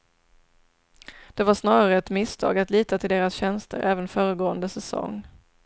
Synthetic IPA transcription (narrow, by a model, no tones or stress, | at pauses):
d̪̥ɛvaʂnɑːɾaɾəɛt̪mɪst̪ʰɑ̰ːɡat̪liːt̪at̪ʰɪld̪eːɾasɕɛnst̪ʰə̰ɾʔæːvənfœːɾəɡoːənd̪əsɛsɔ̰ŋː